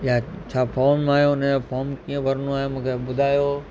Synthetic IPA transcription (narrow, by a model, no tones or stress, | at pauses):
jat͡ɕʰaːpʰɔːɾmaːɦjoʊnẽpʰɔːmkĩẽbɐɾnõaːɦemũːkʰeɓʊd̪ʱaːjo